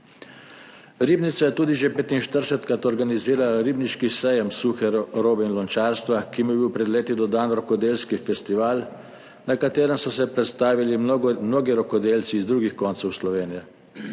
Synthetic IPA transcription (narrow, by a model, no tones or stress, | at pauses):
ɾiːbnit̪sajɛt̪uːd̪iʒepeːt̪inʃt̪əɾsɛt̪kat̪ɔɾɡaniziːɾalaɾibniʃkisɛjɛmsuxɛɾoːbɛinlɔnt͡ʃaːɾst̪ʋakimjɛbiwpɾɛd̪leːt̪id̪ɔd̪aːnɾɔkɔd̪eːlskifɛst̪iʋaːl | nakat̪eːɾəmsɔsɛpɾɛt̪st̪aːʋilimnoːɡiɾɔkɔd̪eːlt̪siːzd̪ɾuːɡixkɔnt̪sɔwslɔʋeːnijɛ